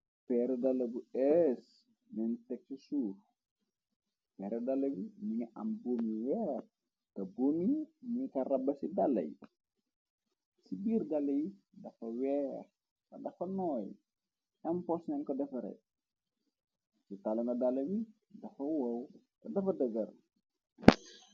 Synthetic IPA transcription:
pɛɾɛdɐlɐbuɛs | nɛntɛk̚sisuːf | pɛːɾɛdɐlɐwimiɲɐʔɐ̰mbomijɛr | kɐbumimikɐrɐbːɐsidalːɐ̰j | sibiːrdɐlːɐji | dɐfɐwɛːɾ | kɐdɐfɐnɔːj | ɐmpɔsnɛnkɔdɐfɐɾɛ̰ | sitalɐnɐdalɐwi | dɐfɐwɐw | kɐdɐfɐdəɡɐr

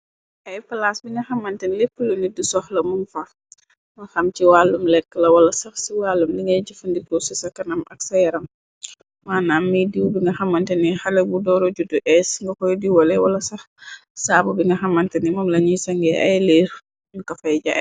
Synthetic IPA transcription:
ʔɐjpɐlasbiŋɡɐxɐmːɐntɛnlepːulunidisɔxlɐmunfa | mɐxɐmt͡ʃiwaːlːumlɛkːəlɐwɐlɐsɐxsiwaːlːumliŋɡɐjɟifɐndikosɐsɐkɐnɐmɐksɐjɐɾɐm | maːnaːmːidiwbiŋɡɐxɐmːɐntɛnixɐlɛbudɔːɾoɟuduʔɛsŋɡɐkɔjdiwɔlɛwɐ̰lɐsɐx | saːbubiŋɡɐxɐmːɐntɛnimɔmlɐɲisɐŋɡɛʔɐ̰jleːɾ | mikɐfɐjɟa̰

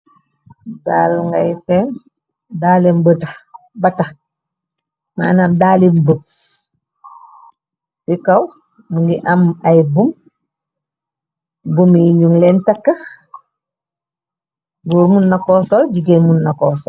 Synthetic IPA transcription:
dalŋɡajsen | daːlembəta | bata | ma̰ːnamdaːlimbət | sikaw | muŋɡiʔamajbum | bumiɲuŋlentakːa | ɡuɾmunːakosolɟiɡenmunːakoso

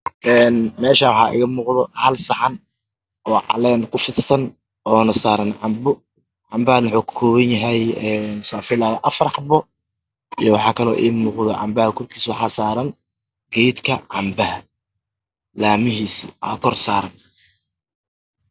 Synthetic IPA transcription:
ʔɛːnmɛːʃɐwħɑ̰ːʔɪ̰ɣɐmuːqðɔhɐlsɑħɑn | ʔɔːʕɑ̰lɛnkʰʊfɪsɐn | ɔːnɐsaːɾɐnʕɑmbʊ | ʕɑmbɐhnwʊħuːkʰʊ̥kʰɔːwɐnjɐɦɛjɛnsaːfɪlaʔɐfɐrħɑbɔ | ijɔwɑħɑːkʰɐlɔːʔɪ̰ːmuːqðɔʕɑ̰mbɐhɐkʰɔrkʰiːswɑħɑːsaːɾɐŋ | ɡ̥ɛjd̪kʰɐʕɑmbɐhɐ | laːmɪɦiːsʔɐ̰kʰɔrsaːɾɐn

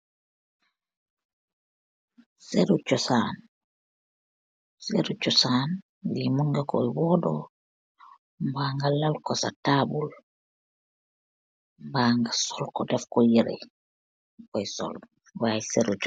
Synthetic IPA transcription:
seɾut͡ʃosan | seɾut͡ʃosaːn | ɡimunɡako̰iwɔdo̰ | mbaːŋɡalalkosa̰tabul | mbaːŋɡasolkodefkojiɾḛ | kojiso̰l | waseɾut͡ʃo

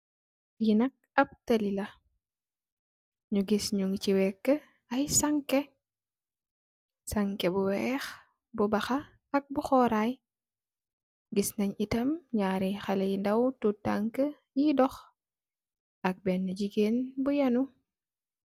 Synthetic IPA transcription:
jinɐk̚ɐb̚tɐlilɐ | ɲuɡisɲuŋciwɛkːə | ɐjsɐŋke | saŋkɛbuwɛːx | bubɐxɐ | ɐk̚buxɔːɾaːj | ɡisnɐɲitɐmɲaːɾixɐlɛjindɐwtutaŋkə | jidɔx | ʔɐk̚bɛnːɐɟiɡeːnbujɐnu

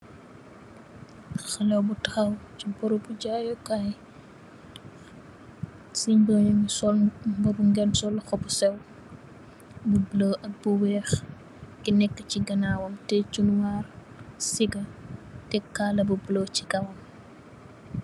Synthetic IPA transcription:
xɐlɛwbutɐxɐwt͡ʃipɔɾubuɟaːjɔkaj | siɲbɔɲsɔlbɐbuŋɡɛnsɔlːuxɔbusɛw | bubloʔɐbuwɛːx | kinɛkːət͡ʃiɡɐnaːwɐmtɛt͡ʃunwaːr | siɡɐtɛkːaːlɐbubloːcikɐwɐm

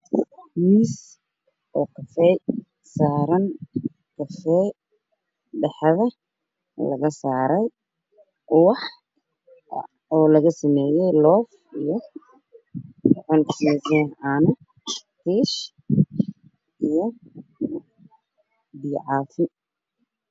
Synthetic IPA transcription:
miːs | ʔɔːkʰɐfɛj | saːɾɐn | kʰɐfɛ | ɖɛħɐðɐ | lɐ̰ɣɐsaːɾɛj | wɑħ | ɔːlɐɣɐsɐmɛːjɛjlɔːf | ijɔ | tɔʕɔŋkʰiːsɐaːnɐ | t̪ʰiːʃ | ʔijɔ | biːʕɑːt̪ʰɪn

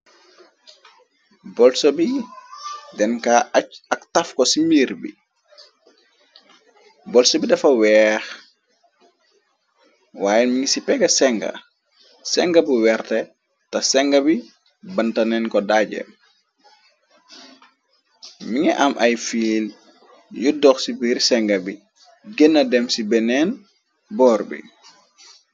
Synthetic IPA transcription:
bɔlsɔbi | dɛnkaːʔacɐktafkɔsimiːɾbḭ | bɔlsɔbidɐfɐwɛːx | waːjɛmiŋsipɛɡɐsɛŋɡɐ̰ | sɛŋɡɐbuwɛrtɛ | tɐsɛŋɡɐbi | bɐntɐnɛnkɔdaɟɛ̰m | miŋɛʔɐmʔɐjfiːl | judɔxsibiɾsɛŋɡɐbi | ɡenːɐdɛmsibɛnɛːn | bɔːɾbḭ

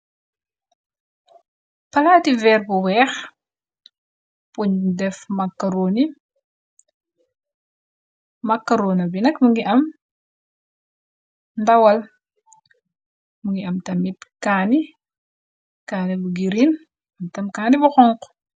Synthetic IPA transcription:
pɐlativɛːrbuwɛːx | puɲdɛfmɐkːaɾoni | mɐkːaɾoːnɐbinɐkmuŋɡiʔɐm | ndɐwɐl | muŋɡiɐmtɐmitkaːni | kaːnibuɡiɾin | ɐmtɐmkaːnibuxɔŋq

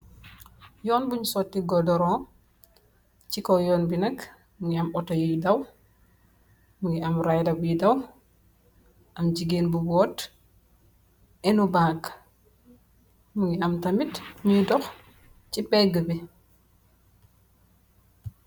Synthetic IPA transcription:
jɔːnbuɲusɔtːiɡɔdɔɾɔ̃ː | cikɔjɔːnbinɐk | muŋiɐmɔtɔjuidɐw | muŋɡiɐmɾajdɐbujidɐw | ʔɐmɟiɡeːnbubɔːt | ɛnubãːk | muŋɡiɐmtɐmitɲuidɔx | cipɛɡəbi

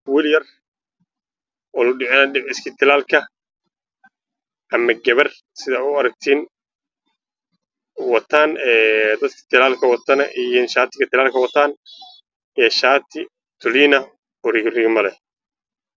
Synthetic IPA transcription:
wɪljɐr | ɔlʊɖɪʕɔnɐɖɪʕɪskʰɪt̪ʰɪlaːlkʰɐ | ʔɐmɐɡɐβɐr | sɪðaʊɐɾɐɡ̚t̪ʰiːn | wɐt̪ʰaːnɛːd̪ɐd̪kʰɐ̥t̪ʰɪlaːlkʰɐwɐt̪ʰɐnɐʔijnʃaːt̪ʰɪɡɐt̪ʰɪlaːlkʰɐwɐt̪ʰaːn | ɛːʃaːt̪ʰɪ | t̪ʰʊliːnɐ | ɔɾɪɣrɪɣmɐlɛ

